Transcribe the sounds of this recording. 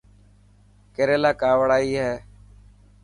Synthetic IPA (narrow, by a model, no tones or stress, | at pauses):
keːɾeːlaːkaːʋəɽaːiːɦɛː